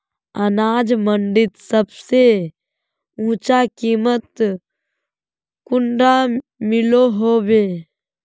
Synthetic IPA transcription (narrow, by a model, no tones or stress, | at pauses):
ənaːd͡ʒməɳɖɪt̪səbse | ũːt͡ʃakiːmət̪ | kʊɳɖamɪloɦoːbeː